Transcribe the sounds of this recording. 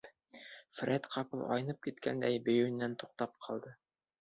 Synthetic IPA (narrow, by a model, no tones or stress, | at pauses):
frʲet̪qʰɑpɤlˠɒ̰jɤ̆nɤp̚kit̪kæ̰nd̪æjbɵ̆jɵ̆nːænt̪uq̚t̪ɑp̚qʰɑlˠd̪ɤ